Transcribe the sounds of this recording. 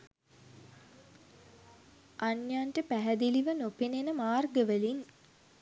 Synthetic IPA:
ʔanjaɳʈəpæɦæd̪iliʋənopenenəmaːrɡəʋəlin

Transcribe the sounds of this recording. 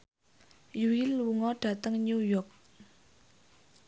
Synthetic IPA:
juwiluŋɔɖ̥ä̤t̪əŋɲujɔrk̚

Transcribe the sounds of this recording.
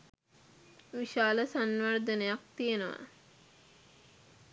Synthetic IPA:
ʋiʃaːləsanʋərd̪ənejak̚t̪ijenəʋa̰

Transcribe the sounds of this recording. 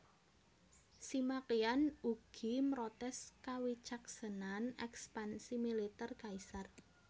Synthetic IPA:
simakianuɡ̥i̤mɾɔt̪ɛskawit͡ʃaksənanɛkspansimilit̪ɛrkaisar

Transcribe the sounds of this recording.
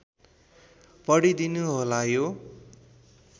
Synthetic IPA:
pʌɽid̪inuɦolajo

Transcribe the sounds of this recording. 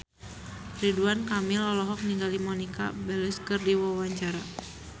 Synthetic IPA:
riduankamilɔlɔɦɔk̚niŋɡalimɔnika̰bɛlɛskərdiwawaɲt͡ʃaɾa

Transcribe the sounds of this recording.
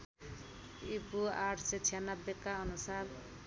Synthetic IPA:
ipuaʈʰset͡sʰijanʌbːekaʌnusaɾ

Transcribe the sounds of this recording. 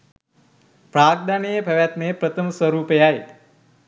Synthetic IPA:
pɾaːɡ̚d̪anijəbʱɐʋjat̪neːpɾət̪ʰəməswəɾuːpejae

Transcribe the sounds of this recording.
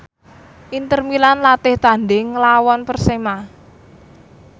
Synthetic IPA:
ʔint̪ərmilanlat̪ɪht̪a̤nɖɪŋlawɔnpərsema

